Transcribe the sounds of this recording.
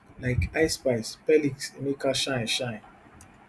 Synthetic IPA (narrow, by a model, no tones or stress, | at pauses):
laɪkaɪspaɪspɛliksenekaʃãɪ̃nʃãɪ̃n